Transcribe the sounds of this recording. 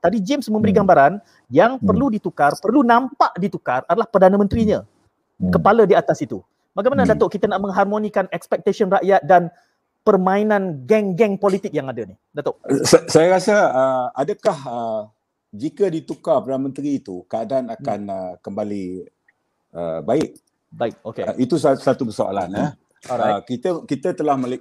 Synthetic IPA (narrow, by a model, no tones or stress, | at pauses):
t̪adid͡ʒɪmsmə̃mbəɾiɡambaɾan | jaŋpərludit̪ukarpərlunãmpaʔdit̪ukaradalahpərdanəmənt̪ɾiɲə̃ | kəpalədiat̪asit̪u | baɡajmanədat̪oʔkit̪ənaʔmə̃ŋɦarmonikanɛkspɛk̚t̪asiənraʔjat̪̚dan | pərmãinãnɡɛŋɡɛŋpolit̪ɪk̚jaŋadənihdat̪oʔssajaɾasəəadəkaɦə | d͡ʒikədit̪ukapərdanəmə̃nt̪ɾiːt̪ukəadaanakanəkəmbali | ʔə̰baɪʔ̚ | baɪk̚okḛʔit̪ussat̪ubəsoa̰la̰na | ɔakit̪əkit̪ət̪əlahməl